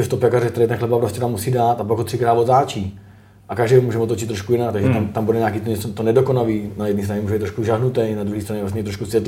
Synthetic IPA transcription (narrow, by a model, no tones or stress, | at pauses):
ft̪opakarɛkt̪ɛɾɛjt̪ɛnxlɛbapɾoscɛt̪amːusiːdaːt̪apaɡɦot̪r̥ɪkɾaːd̪vot̪aːt͡ʃiː | ʔakaʒdɛjomuːʒɛmot̪ot͡ʃɪt̪ːɾoʃkujɪnakt̪aɡʒɛt̪amt̪ambudɛɲaːkiːt̪oɲɛt͡sot̪onɛdokonaliːnajɛdnist̪ɾanɲɛmuːʒɛbit̪ːɾoʃkuʒaɦnut̪ɛjnad̪ɾuɦiːst̪ɾaɲɛvlas̬ɲɛit̪ɾoʃkusʋjɛt̪